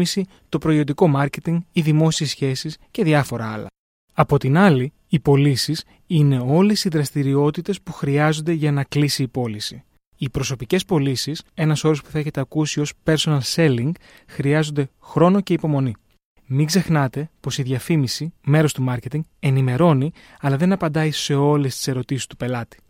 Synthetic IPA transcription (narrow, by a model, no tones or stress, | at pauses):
misi | t̪o̞pɾo̞io̞nd̪iko̞mɐɾce̞t̪iŋɡiðimo̞siesçe̞sisce̞ðʝɐfo̞ɾɐɐlɐ̰ | ɐpo̞t̪inɐliː | po̞lisis | ine̞o̞le̞siðɾɐst̪iɾio̞t̪it̪e̞spuxɾiɐzo̞nd̪e̞ʝɐnɐklisiːpo̞lisi | ipɾo̞so̞pice̞spo̞lisise̞nɐso̞ɾo̞spu̥θɐe̞çe̞t̪e̞ɐkusio̞spe̞ɾso̞nɐlse̞liŋɡ | xɾiɐzo̞nd̪e̞xɾo̞no̞ce̞ipo̞mo̞ni | miɡze̞xnɐt̪e̞po̞siðʝɐfimisime̞ɾo̞st̪umɐɾce̞t̪iŋɡe̞nime̞ɾo̞ni | ɐlɐðe̞nɐpɐnd̪ɐise̞o̞lest̪i̥se̞ɾo̞t̪isi̥st̪upe̞lɐt̪i̥